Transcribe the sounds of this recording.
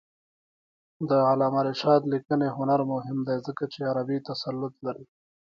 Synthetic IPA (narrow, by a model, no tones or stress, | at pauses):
d̪əalaːmaɾeʃɑːd̪likəneɦʊnaɾmʊɦɪmd̪ajzəkat͡ʃeaɾabit̪ɐsalːʊt̪̚laɾi